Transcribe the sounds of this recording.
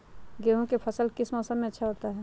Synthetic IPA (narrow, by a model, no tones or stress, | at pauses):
ɡeɦõkepʰəsəlkɪsmɔːsəmmẽɐtːʃʰaɦoːt̪aɦɛ